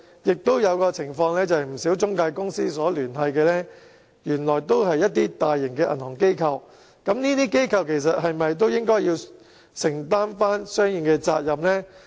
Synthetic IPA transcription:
jɪ˨k̚t̪o˥wjɐ˨˧wkɔː˧t͡sʰɪ˨˩ŋfɔː˧ŋlɛː˥t͡sɐ˨jm̩˨˩siː˨˥wt͡sʊ˥ŋkaː˧jkʊ˥ŋsiː˥sɔː˨˥lyː˨˩ntɐ˧jkɛː˧lɛː˥ | jyː˨˩nlɔː˨˩jt̪o˥wɦɐ˨jːɐ˥t̚t̪̬iː˥t̪aː˨jːɪ˨˩ŋkɛː˧ʔɐ̰˨˩nhɔː˨˩ŋke˥jkʰɐ˧w | kɐ˨˧˥mniː˥t̪iː˥ke˥jkʰɐ˧wkʰe˨˩js̬ɐ˨t̚hɐ˨jmɐ˨jt̪̬o˥wjɪ˥ŋkɔː˥jiː˧w | sɪ˨˩ŋt̪aː˥nfaː˥nsœː˥ŋji˨˩ŋkɛː˧t͡sa̰ː˧t̚jɐ˨mlɛː˥

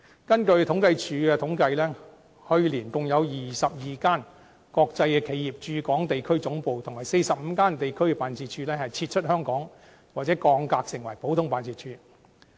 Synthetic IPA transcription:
kɐ˥nkɵ˧ɥt̪ʰʊ˨˥ŋkɐ˧jt͡ʃʰyː˨˧˥kɛː˧t̪ʰʊ˨˥ŋkɐ˧jlɛː˥ | hɵ˧ɥliː˨˩nt͡sʊ˨ŋjɐ˨˧wjiː˨sɐ˨p̚jiː˨˩kaː˥n | kɔː˧k̚t͡sɐ˧jkɛː˧kʰe˨˧˥jiː˨˩p̚t͡ʃyː˧kɔː˨˥ŋt̪e˨jkʰɵ˥ɥt͡sʊ˨˥ŋpo˨˧wt̪ʰʊ˨ŋhɐ˨˩jse˧jsɐ˨p̚m̩ː˨˧kaː˥nt̪e˨jkʰɵ˥ɥkɛ˧paː˨˧nt͡sʰiː˨˧t̚t͡ʃʰyː˧lɛː˥hɐ˨˩jt͡sʰiː˧t̚t͡ʃʰɵ˥t̚hœː˥ŋkɔː˨˥ŋ | waː˨t̚t͡sɛ˨˥kɔː˧ŋkaː˧k̚sɪ˨˩ŋwɐ˨˩jpo˨˥wt̪ʰʊ˥ŋpaː˨˧nt͡sʰiː˨˩t̚t͡ʃʰyː˧

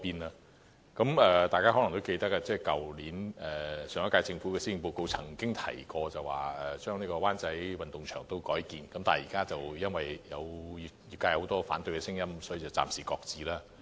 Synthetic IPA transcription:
piː˧na˧ | kɐ˨˦˥mɛː˨˧t̪aː˨jkaː˥ɦɔː˨˥lɐ˨˩ŋt̪o˥wke˧jt̪ɐ˥k̚ːa˧t͡sɛː˥˩jkɐ˨wliː˨˥nɛː˨sœː˨˦ŋɐ˥kaː˧jt͡sɪ˧ŋfuː˨˥kɛ˧siː˥ɪ˧ŋpo˧˨wko˧wt͡sʰɐ˨˩ŋkɪ˥ŋt̪ʰɐ̰˨˩jkɔː˧t͡sɐ˨wa̰ː˨˩ɛ˨˩t͡ʃœː˥ŋniː˥kɔː˧waː˥nt͡sɐ˨˦jwɐ˨nt̪ʊ˨ŋt͡ʃʰœ̰ː˨˩ŋt̪o˥wkɔː˨˥jkiː˨nkɐ˨˥mt̪aː˨˩jiː˨˩kaː˥t͡sɐ˨wjɐ˥nwɐ˨jjɐ̰˨˧wji˨˧jiː˨p̚kaː˧jɐ˧ho˨˥wt̪ɔː˥fa̰ː˨˥nt̪ɵ˧ɥkɛ˧sɪ˥ŋjɐ˥msɔː˨˥jiː˨t͡sɐ˨˩wt͡sa̰ː˨msiː˨˩kɔː˧k̚t͡siː˨˩laː˥

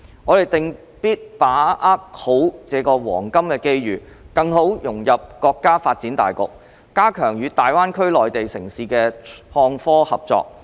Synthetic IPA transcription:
ŋɔː˨˧t̪e˨jt̪ɪ˨ŋ | piː˥t̚paː˨˥ʔaː˥k̚ho˨˥wt͡sɛː˨˧kɔː˧wɔ̰ː˨˩ŋkɐ˥mkɛː˧ke˥jɥyː˨ | kɐ˧ŋho˨˥wjʊ˨˩ŋjɐ˨p̚kɔː˧kːaː˥faː˧t̚t͡siː˨˥nt̪a̰ː˨jkʊ˨k̚ | kaː˥kʰœː˨˩ŋjyː˨˧t̪aː˨jwaː˥nkʰɵ˥ɥlɔː˨jt̪e˨jsɪ˨˩ŋsiː˨kɛː˧hɔː˧ŋfɔː˥hɐ˨p̚t͡sɔ̰ː˧k̚

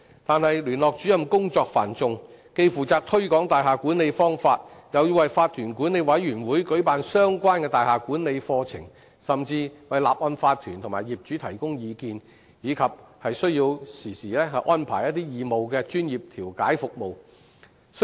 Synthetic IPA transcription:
t̪aː˨nhɐ˨jlyː˨˩nlɔː˨k̚t͡ʃyː˨˥jɐ˨mkʊ˥ŋt͡sɔː˧k̚faː˨˩nt͡sʊ˧ŋ | ke˧jfuː˨˩t͡saː˨˧k̚t̪ʰɵ˥ɥkɔː˨˥ŋt̪aː˨jɦaː˨kuː˨˥nle˨˧jfɔː˥ŋfaː˧t̚jɐ˨˧wjiː˧wɐ˨jfaː˧t̪ʰyː˨˩nkuː˨˥ne˨˧jwɐ˨˥jɥyː˨˩nwuː˨˥jkɵ˨˥paː˨nsœː˥ŋkʷaː˥nkɛː˧t̪aː˨˩jhaː˨kuː˨˥nle˨˧jfɔː˧t͡sʰɪ̰˨˩ŋ | sɐ˨mt͡siː˧wɐ˨jlaː˨p̚ʔɔː˧nfaː˧t̪ʰːyː˨˩nt̪ʰʊ˨˩ŋmaː˨˩jiː˨p̚t͡ʃyː˨˥t̪ʰɐ˨˩jkʊ˥ŋjiː˨˧kiː˧n | jiː˨˧kʰɐ˨p̚hɐ˨jsɵ˥ɥjiː˧wsiː˨˩siː˨˩lɛː˥ɦɐ˨jʔɔː˥npʰaː˨˩jɐ˥t̪̚iː˥jiː˨mo˨wkɛː˧t͡ʃyː˥njiː˨p̚t̪ʰiː˨˩wkaː˨˥jfʊ˨k̚mo˨w | s

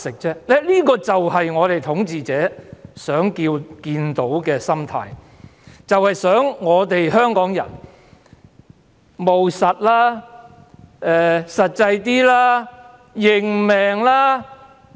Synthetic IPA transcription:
sɪ˨k̚t͡sɛː˥lɛ˥liː˥kɔː˧t͡sɐ˨whɐ˨jŋɔː˨˧t̪e˨jt̪ʰʊ˨˥ŋt͡siː˨˧t͡sɛː˨˥sœː˨˥ŋkiː˧wkiː˧nt̪o˨˥wkɛː˧sɐ˥mt̪ʰa̰ː˧j | t͡sɐ˨whɐ˨jsœː˨˥ŋːɔː˨˧t̪e˨jɦœː˥ŋkɔː˨˥ŋjɐ̰˨˩n | mo˨wsɐ˨t̚laː˥ | ɛː˨˧sɐ˨t̚t͡sɐ˧jt̪̬iː˥laː˥ | jɪ˨˩ŋmɛː˨ŋlaː˥

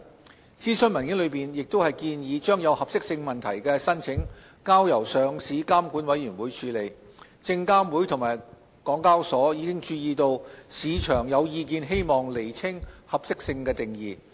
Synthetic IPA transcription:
t͡siː˥sɵ˥nmɐ˨˩nkɪ˨˥ŋlɵ˨˧ɥpiː˨˩njɪ˨k̚t̪o˥whɐ˨jkiː˧njiː˨˧t͡ʃœː˥ŋjɐ˨˧whɐ˨p̚sɪ˥k̚sɪ˧ŋmɐ˨˩nt̪ʰɐ˨˩jkɛː˧sɐ˥nt͡sʰɪ˨˥ŋ | kaː˥wjɐ˨˩wsœː˨˧ŋsiː˨˥kaː˥mkuː˨˥nwɐ˨˥jyː˨˩nwuː˨˥jt͡ʃʰyː˨˥le˨˧j | t͡sɪ˧ŋkaː˥mwuː˨˥jt̪ʰʊ˨˩maː˨˩j | kɔː˨˥ŋkaː˥wsɔː˨˥jiː˨˧kɪ˥ŋt͡ʃyː˧jiː˨˧t̪o˧wsiː˨˧t͡ʃʰœː˨˩ŋjɐ˨˧wjiː˧k̬iː˨˧nɦe˥jmɔː˨ŋle˨˩jt͡sʰɪ˥ŋhɐ˨p̚sɪ˥k̚sɪ˧ŋkɛː˧t̪ɪ˨ŋjiː˨˩

